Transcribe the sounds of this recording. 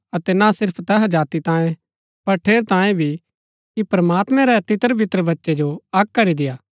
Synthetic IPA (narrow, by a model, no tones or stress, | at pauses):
ɐt̪ɛnasɪɾpʰt̪ɛɦad͡ʒaːt̪it̪ãːẽ | pɐɾʈʰeːɾt̪ãːjẽbʱi | kipɾɐmaːt̪mɛ̃ɾɛt̪ɪt̪əɾʋɪt̪ɾəbɐtːʃed͡ʒoɐk̚kɐɾid̪ɪjaː